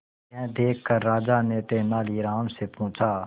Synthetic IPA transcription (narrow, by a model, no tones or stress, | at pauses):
ɛ̃ːd̪eːkʰːkəɾːaːd͡ʒaːneːt̪eːnaːliːɾaːmseːpũːt͡ʃʰaː